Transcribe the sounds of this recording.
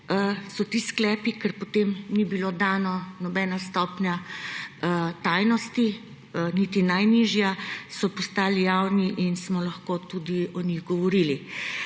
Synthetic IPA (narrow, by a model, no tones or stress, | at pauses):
sɔt̪iːsklɛːpikɛɾpɔt̪emnibilod̪aːnɔnɔbɛːnast̪ɔːpnja | t̪aːjnɔst̪i | nit̪inajniːʒjasɔpɔst̪aːlijawniʔinsmɔlɐxkoːt̪ud̪iɔniɣɡɔʋɔɾili